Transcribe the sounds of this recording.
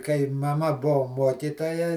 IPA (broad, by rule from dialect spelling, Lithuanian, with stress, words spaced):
kɐɪ mɐˈmɐ ˈbuɔ ˈmuɔkʲiːtoːjɛ